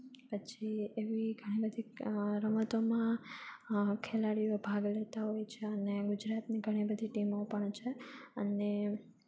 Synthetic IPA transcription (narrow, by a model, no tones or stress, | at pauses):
pət͡ʃʰieʋiɡʱəɽ̃ibəd̪ʱiɾəmət̪omã | kʰelaɽiʋbʱaɡlet̪aɦojt͡ʃʰeəneɡud͡ʒɾat̪niɡʱəɽ̃ibəd̪ʱiʈimopəɳt͡ʃʰeə̰ne